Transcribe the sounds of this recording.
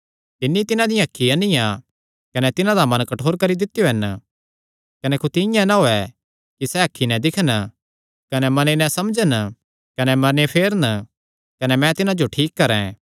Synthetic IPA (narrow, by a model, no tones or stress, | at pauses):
t̪ɪnːit̪ɪnãd̪ɪjãɦɐkʰːiɐ̃nɪjã | kɐnɛt̪ɪnãd̪amɐ̃nkɐʈʰoːɾkɐɾid̪ɪt̪ːjoɦɛn | kɐnɛkut̪ɪɪ̃jãnaɦoːɛ | kisɛɦɐkʰːinɛ̃d̪ɪkʰn | kɐnɛmɐnenɛ̃sɐmd͡ʒən | kɐnɛmɐɾnepʰeːɾən | kɐnɛmɛ̃t̪ɪnãd͡ʒoʈʰiːkːɐɾɛ̃